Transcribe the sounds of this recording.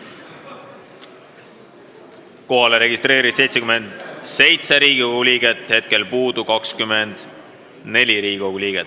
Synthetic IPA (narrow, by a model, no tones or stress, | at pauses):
ko̞ɦɑleɾe̞ɡist̪re̞ːɾid̪̥sejt̪sekyme̞nd̪̥se̞jt̪seɾiːɡ̥oɡuliɡ̥et̪he̞t̪̚ke̞lpuːd̪̥ukɑkskymend̪̥ | ne̞lʲiɾi̥ːoɡulʲiːɡ̥et̪ːˑ